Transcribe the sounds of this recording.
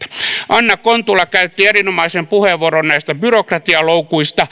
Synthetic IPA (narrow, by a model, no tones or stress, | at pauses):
ʔɑnːɑkont̪ulːɑkæyt̪ːierinomɑisempuheʋʋːuoronnæist̪æbyrokrɑt̪iɑloukuist̪ɑ